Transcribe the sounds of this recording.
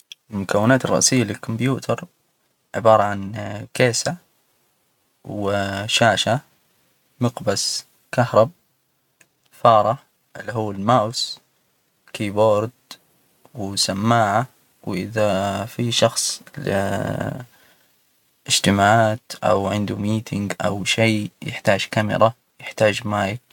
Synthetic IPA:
lmʊkawːɪnaːt̪ɪrˤːɑ̰ʔsɪjːalɪlkʊmbjuːt̪ʰɑɾˤ | ʕɪbɑːɾˤɑʕankeːsa | wɪʃaːʃa | mɪqbas | kahɾˤɑb̚ | fɑːɾˤɑ | ʔɪlːiɦuːalmaːws | kiːboːɾd̪ | wɪsamːaːʕa | wʔɪðafiʃɑxsˤlɪ̰ | ʔɪd͡ʒt̪ɪmaːʕaːt̪ʔa̰wʕɪnd̪umiːt̪ʰɪŋɡʔa̰wʃeːjɪ̰ħt̪aːd͡ʒkamɪ̰ɾˤɑ | jɪħt̪aːd͡ʒmaːj

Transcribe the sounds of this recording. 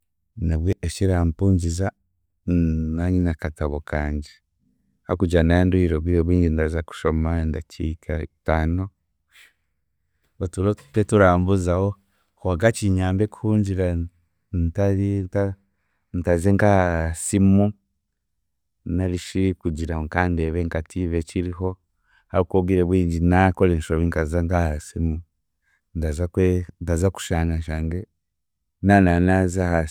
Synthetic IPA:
naβweʔeʃiɾampuːɲɟiza | naɲinakataβokaːɲɟe | hakuɟanajenduiɾoβiɾoβiːɲɟindazaku̥ʃomandat͡ʃḭkataːno | otuɾoutetuɾaːmbuzaho | kuaɡat͡ʃiɲaːmbeku̥huːɲɟiɾa | ntaɾinta | ntazeŋkaasimu | naliʃikud͡ʒiɾaŋkandeβɛŋkatʰiβet͡ʃiɾiɦo | haβukoɡiɾɛβwiːɲd͡ʒinakolɛnʃoiŋkazaŋkahasimu | ndazakwendazaku̥ʃaŋaʃaŋɡe | nananazaha

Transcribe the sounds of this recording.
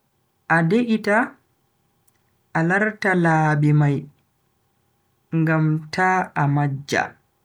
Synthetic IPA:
ʔadeʔita | ʔalaɾtalaːbimaj | ŋɡamtʰaːamad͡ʒːa̰

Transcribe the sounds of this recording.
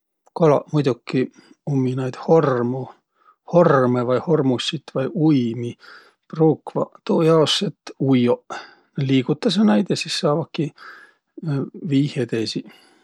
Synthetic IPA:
kolɑ̰mujd̪̥ukːi | umːinɑjd̪̥hormu | ho̞rmevɑjho̞rmusːit̪vɑjʔujmi | pruːkvɑ̰t̪oːjɑoset̪ujoʔ | neliːɡ̥ut̪ːˑɑs̬ɑnæjd̪̥jɑsisːɑːvɑkːi | viːhed̪esi

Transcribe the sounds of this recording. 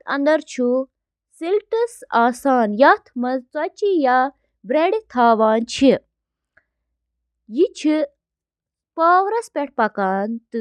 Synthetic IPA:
ɐ̰nd̪ɐɾt͡ʃʰu | silʈɐsaːsaːnjat̪ʰmɐzt͡sɐt͡ʃija | bɾeɖit̪ʰaːʋaːnt͡ʃʰi | jit͡ʃʰi | s | paːʋɾɐspʲeʈ̚ʰpɐkaːnt̪ɨ

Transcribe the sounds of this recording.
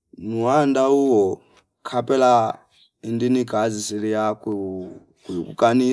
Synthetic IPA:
nuɦandauwɔ | kʰapʼɛla | indinikʼazisilijak | kukṵkʼani

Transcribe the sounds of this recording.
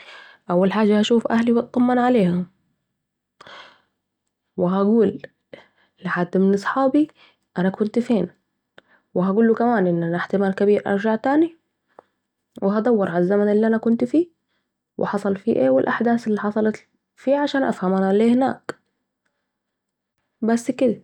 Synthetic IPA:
ʔawːalħaːd͡ʒːahaʃuːfʔahliwɪt̪̚q̪ɑmːɑnʕaleːhʊm | wɪɦaɡuːlː | ɪħad̪ːmɪnɨsˤħɑːbi | ʔanakʊnt̪feːn | wɪɦaɡuːlːukamaːnʔɪnːʔanaħt̪ɪmaːlkabiːɾʔɑ̰ɾˤd͡ʒaʕt̪aːni | wɪɦad̪ˤɑwːɑɾˤʕalazːamanʔɪlːiʔanakʊnt̪fiː | wʔɪ̰ħɑsˤɑlfḭːʔḛːwɪlʔaħd̪aːsɪlːiħɑsˤɑlɑt̪ | fiːʕaʃaːnʔa̰fhamʔanaleːhɪna̰ːk | basːkɪd̪a

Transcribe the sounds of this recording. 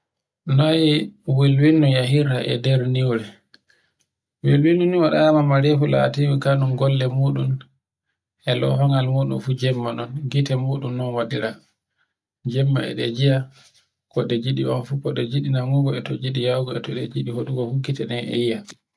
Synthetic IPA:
najiwilwinːujaɦiɾaʔɛ̰dɛɾniwɾɛ | wilwinːuniwaɗaamamaɾefula̰timikanumɡɔlːɛmuːɗun | ʔɛlɔ̰ɦɔŋalmuɗṵnfud͡ʒɛmːanɔnɡitɛmuːɗumnɔnwaɗiɾa | d͡ʒɛmːa̰ɛ̰ɗɛd͡ʒija | kɔɗɛd͡ʒiɗiwanfukɔɗɛd͡ʒiɗinaŋuɡɔɛtɔd͡ʒiɗijawɡɔɛtɔɗɛ̰d͡ʒiɗihoɗuɡɔhukːitɛnɛnɛ̰ija

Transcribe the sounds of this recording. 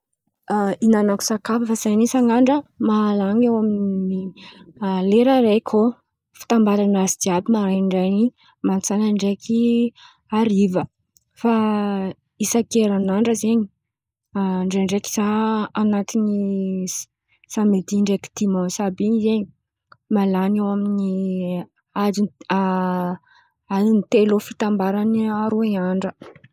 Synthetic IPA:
ainanaku̥sakafəfasanisaŋaɳɖ͡ʐəmaalaŋewaminni | leɾəɾekʲʰo | fi̥t̪ambalanazid̪iabimaɾaɳɖ͡ʐajni | mant͡sanaɳɖ͡ʐekʰi | aɾivə | fa | isakeɾanaɳɖ͡ʐəzeɲi̥ | ɳɖ͡ʐeɳɖ͡ʐeki̥zaanat̪ini | samed̪iɳɖ͡ʐeki̥d̪̥imɔsabiizeɲi | malanewamini | adi | ainit̪elofit̪ambaɾaniaɾoiaɳɖ͡ʐə

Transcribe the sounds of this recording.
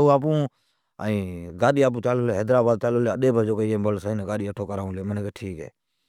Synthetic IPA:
uaːp̬ũː | a̰ĩːɡaːɗiːaːp̬ũːt͡ʃaːloleːɦeːd̪ɾaːbaːd̪̚t͡ʃaːloːleːəɗeːbʱəd͡ʒoːkeieːbəlsaːĩnːɡaːɗiːəʈʰːoːkəɾaːũːleːmənẽːkeʈʰiːkɦɛ̰ː

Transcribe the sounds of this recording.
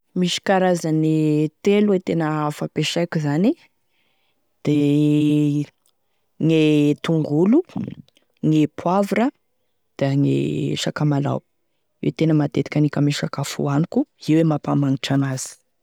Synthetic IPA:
miʃi̥kaɾazənit̪eluwet̪enəafapeʃajkuzani | d̪̥e | ŋet̪uŋɡulu | ŋepʰwavɾə | d̪̥aŋḛʃakamala̰w | ḛwt̪enəmat̪et̪i̥kʲanikʲəmeʃakafṵanikuiwemapamaŋiʈ͡ʂanaz̥i̥

